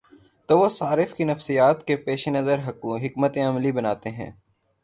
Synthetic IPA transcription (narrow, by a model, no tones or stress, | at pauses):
t̪oːʋosaːɾɪfkinɐfsijaːt̪kepeːʃenɐzəɾɦɐkːũɦɪkmət̪ẽɐmlibɐnaːt̪eɦɛ̰̃ː